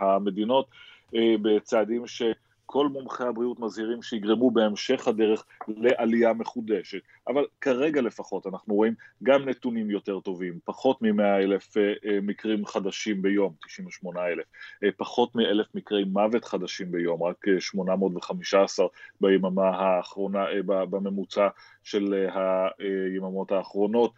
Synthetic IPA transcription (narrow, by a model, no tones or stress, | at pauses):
hame̞d̪ino̞t | ebet͡saːdimʃe̞ | kʰo̞lmumχehabʁiutmazhiʁimʃehiɡʁemube̞emʃe̞χhade̞ʁe̞χle̞ʔalijame̞χude̞ʃe̞t | ʔavalkaʁe̞ɡale̞faχo̞tanaχnuʁo̞imɡamnetunimjo̞te̞ʁto̞vimpaχo̞tmimeaelefmikʁimχad̪aʃimbe̞jo̞mt̪i̥ʃiɱveʃmo̞nae̞le̞fpaχo̞tmiʔele̞fmikʁejmavetχad̪aʃimbe̞jo̞mʁakʃmo̞namotveχamiʃaːsaʁbajemamaɦaːχʁo̞nababame̞mut͡sa | ʃe̞lɦajemamo̞thaːχʁo̞no̞t̚